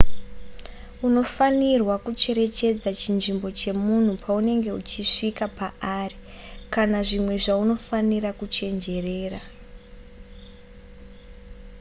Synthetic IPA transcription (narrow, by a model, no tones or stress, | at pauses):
uno̞fanirwakut͡ʃe̞ɾe̞t͡ʃe̞d͡zat͡ʃinʐimbo̞t͡ʃe̞mun̤upʰaune̞ŋɡe̞ut͡ʃiʂikapaʔari | kanaʐimwe̞ʐauno̞faniɾakut͡ʃe̞nd͡ʒe̞re̞ːra